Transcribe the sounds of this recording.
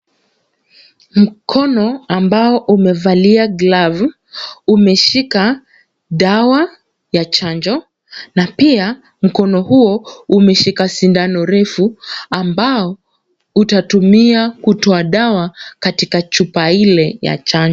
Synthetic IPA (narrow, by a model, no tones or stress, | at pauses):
m̩kʰɔnɔambaɔʔumɛvaliaɡlav | umɛʃika | ɗawa | jat͡ʃand͡ʒɔ | napia | m̩kɔnɔhuɔumɛʃikasindanɔɾɛfuambaɔ | utatumiakutɔaɗawakatikat͡ʃupailɛja̰t͡ʃaɲd͡ʒ